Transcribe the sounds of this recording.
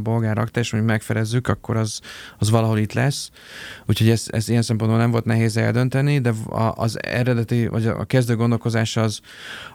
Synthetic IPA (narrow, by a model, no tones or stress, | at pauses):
bo̞lɡaːrɒ̰k̚t̪aːeːʃmoɲɟukmɛkfɛɾɛzːykɒkːo̞ɾɒzɒzʋɒlɒɦo̞lit̪lɛsː | uːcho̞ɟɛzɛ̰zijɛnsɛmp̬o̞nbolnɛɱvo̞lt̪nɛɦeːzɛ̰ld̪ønt̪ɛnid̪ɛɒ̰ʔːzɛ̰ɾɛd̪ɛt̪ivɒɟ̰kɛzd̪øːɡond̪o̞lko̞zaːʃɒz